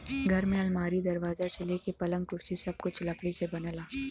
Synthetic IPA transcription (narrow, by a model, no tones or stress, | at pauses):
ɡʱɐɾmẽɐlmaːɾid̪ɐɾʋaːzat͡ʃɐlekepɐlə̃ŋɡkʊɾsisɐb̚kʊt͡ʃʰlɐkɽisebɐnəlaː